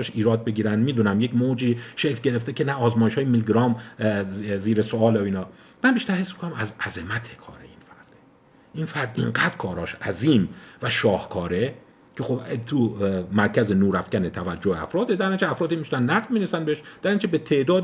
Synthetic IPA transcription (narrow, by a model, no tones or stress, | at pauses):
eʃiːɾɒːd̪̚beɟiːɾænd̪miːd̪uːnæmje̞cmod͡ʒiːʃejɟe̞ɾeft̪ecʰe̞næɒːzmɒːjeʃhɒːjemilɡɾɒːm | ziːɾesoɒːlooiːnɒː | mænbiːʃt̪æɾhesmikʰonæmæzæze̞mæt̪ʰekʰɒ̰ːɾḛinfæɾd̪̥ | ʔinfæɾd̪ʔiŋɢæd̪̥kʰɒːɾɒːʃæ̰ziːmvæʃɒːhkʰɒːɾe | cʰe̞xobt̪ʰumæɾcʰæzenuːɾæfcænet̪ʰævæd͡ʒːoheæ̰fɾɒːd̪ed̪æɾind͡ʒʰeæfɾɒːd̪imiʃænnæɣvmiːnesænbeeʃd̪̥æɾind͡ʒebet̪ʰe̞ʔd̪ɒːd̪